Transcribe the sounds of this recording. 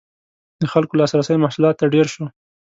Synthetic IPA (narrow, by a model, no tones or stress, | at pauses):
d̪əxalkolɑsɾasəjmahsulɑt̪ːaɖeɾʃo